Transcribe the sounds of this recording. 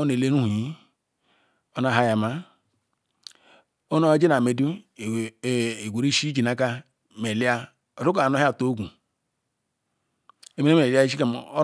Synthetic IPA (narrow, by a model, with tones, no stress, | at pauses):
o˦n˨e˨le˦nu˦hu˨ji˦ | o˦na˨ɦa˦ja˨ma˦ | o˦no˦d͡ʒi˦na˨me˨du˦˨ | e˨ɡʷu˨ɾi˦ʃi˦d͡ʒi˨na˦ka˦ | me˨li˦a˦˨ | ɾu˦kno˦a˦˨to˦ɡʷu˨ | e˨me˦e˦me˨la˦i˦ʃ̬i˦ka˨m˨o˦